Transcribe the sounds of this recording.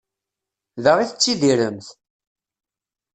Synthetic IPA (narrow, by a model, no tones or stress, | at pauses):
ðəʁiθət͡sːid̪iɾəmθ